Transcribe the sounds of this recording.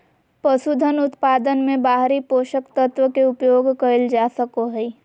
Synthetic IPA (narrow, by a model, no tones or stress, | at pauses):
pəsud̪ʱənʊt̪paːd̪ənmẽbaːɦɾipoːʃəkt̪ət̪wəkeʊpjoːɡkəɪld͡ʒaːsəkoɦɛi